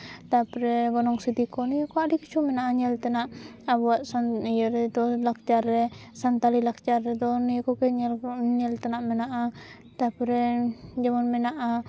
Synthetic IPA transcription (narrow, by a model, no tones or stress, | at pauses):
t̪apɾɛɡɔnɔŋsid̪ikɔnijakɔdikit͡ʃʰumɛnaʔaɲɛlt̪ɛnaʔabɔwaʔsanjəɾɛd̪ɔlak̚t͡ʃaɾːɛsant̪alilak̚t͡ʃarːɛd̪ɔnijkɔkɛɲɛɲɛlt̪anaʔmɛnaʔa | t̪apɾɛd͡ʒamanmɛnaʔa